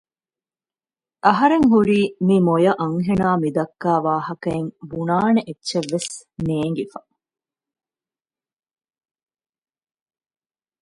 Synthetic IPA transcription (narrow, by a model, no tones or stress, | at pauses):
ʔɐɦɐɾeŋɦuɾiːmimojɐʔɐŋɦenaːmid̪ɐkːaːʋaːhɐkɐeŋbunaːneʔetːʃeʋːes | neːŋɡifɐ